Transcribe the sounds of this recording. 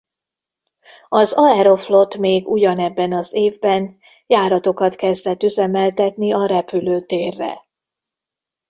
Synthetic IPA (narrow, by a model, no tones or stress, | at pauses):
ɒzɒɛɾo̞flo̞t̪meːɡuɟɒnɛbːɛnɒzeːvbɛn | jaːɾɒt̪o̞kɒt̪kɛzd̪ɛt̪yzɛmɛlt̪ɛt̪niɒɾɛpyløːt̪eːrːɛ̰